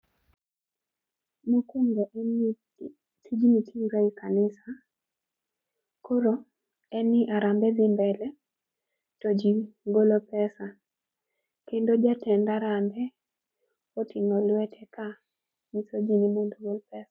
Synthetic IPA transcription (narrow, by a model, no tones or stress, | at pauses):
mukuŋɡɔʔ | tʰid͡ʒimitʰiŋɾaikanɪsa | koɾo | ɛnɪʔaɾambɛb̪ɪmbɛlɛ | tod͡ʒiɡolopɛsa | kendod͡ʒatɛndaɾambɛ | otiŋolwɛtʰɛkʰa | misod͡ʒinimondoɡolpɛsḁ